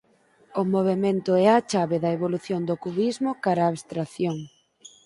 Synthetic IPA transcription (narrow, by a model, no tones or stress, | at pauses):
ʊmoβ̞emẽnt̪ʊɛat͡ʃaβeðɐeβoluθjond̪ʊkuβizmʊkaɾaːβst̪ɾaθjoŋ